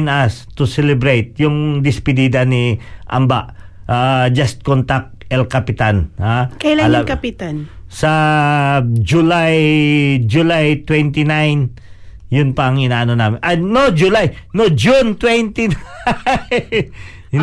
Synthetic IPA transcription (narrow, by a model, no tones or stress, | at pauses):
nast̪ʊsɛlɛbɾejt̪̚jʊŋd̪ɪspɪd̪iːd̪ɐniʔa̰mbaʔ | ʔad͡ʒɐst̪̚kont̪ak̚ɛlkapɪt̪anhakɐjlalakɐpɪt̪ansɐ | d͡ʒʊlajd͡ʒʊlajt̪wɛnt̪inajn | jʊnpɐɐŋʔɪnaːʔɐnonaːmɪnʔanod͡ʒʊlajnod͡ʒʊnt̪wɛnt̪in